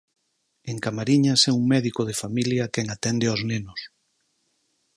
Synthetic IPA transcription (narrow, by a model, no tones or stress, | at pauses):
eŋkamaɾiɲasɛuŋmɛðikoð̞efamiljɐkɛŋat̪ɛnd̪ɪaznenʊs